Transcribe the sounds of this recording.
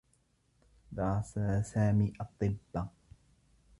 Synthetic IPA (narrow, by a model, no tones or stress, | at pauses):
d̪ɑsasaːmiːʔɑt̪ˤːɨbːa